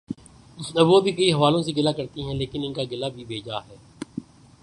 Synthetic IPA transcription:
ɐbʋobʱikɐiɦɐʋaːlõseɡɪlakɐɾt̪iɦɛ̃leːkɪnɪnkaɡɪlabʱibʱeːd͡ʒaɦɛː

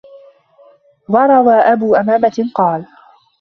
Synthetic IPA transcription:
wɑɾˤɑwaːʔabuːʔamaːmatqɑːl

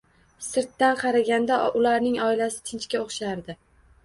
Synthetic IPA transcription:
sɪɾt̪ːanqʰɑɾaɡʲand̪aʊlaɾnɪŋɒɪlasɪ̥t̪ʰɪnt͡ʃkʲaoχʃaɾd̪ɪ

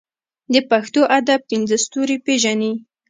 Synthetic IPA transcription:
d̪əpaxt̪oʔad̪apinzəst̪uɾipeʒani

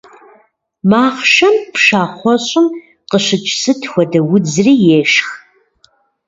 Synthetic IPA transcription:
maːχʃɐmpʰʃaːχʷɔɕʼɪm | qəʃɨt͡ʃʼsɨtʰxʷɔdɐwʊd͡zriːjeːʃx

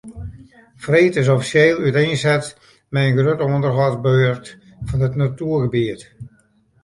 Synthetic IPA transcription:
freːtɪs̬ɔfisjeːlˠyteːnsɛt | mɛjənɡrøtɔəndərɦɔr̚bøːrt | fɔnətnatyərɣəbiət

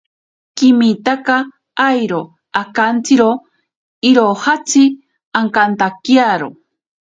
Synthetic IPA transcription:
kimit̪aka | ajɾo | akant͡sɨɾo | iɾohat͡sɨ | aŋkant̪akjaɾo

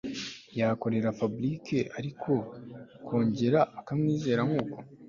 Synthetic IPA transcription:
jako̞ɾe̞ɾapablikʰe̞ʔaɾikʰo̞kʰo̞ːɲɟe̞ɾaːkamniːze̞ːɾaŋɡuːko̞̥

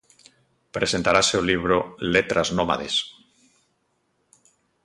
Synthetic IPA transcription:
pɾese̞nt̪aɾaseoliβ̞ɾolet̪ɾaznoma̰ðḛs

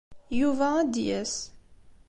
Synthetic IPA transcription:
juvææd̪jæs

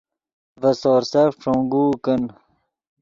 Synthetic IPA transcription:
vɐsoːɾsɐʂõŋɡuːkən

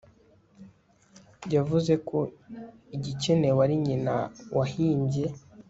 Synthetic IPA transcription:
ɟavuze̞kʰoiɟicene̞waɾiɲinawʔahiːɲɟe̞

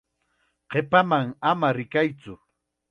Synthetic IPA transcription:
qepamaŋamaɾɪkajt͡sʊ

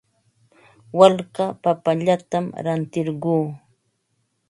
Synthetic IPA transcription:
walɢapapaʎat̪amɾant̪ɪɾɢuː

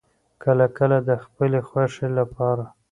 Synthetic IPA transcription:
kəlakəlad̪əxpəlexwaʂelapɑɾa

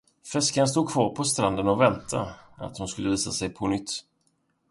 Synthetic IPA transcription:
fɛskanst̪uːd̪̚kʰvɑːɾpʰɔst̪ɾand̪ənɔvɛnt̪ʰa̰a̰t̪hʊnskɵlːəviːsasɛjpʰɔnʏt̪ː

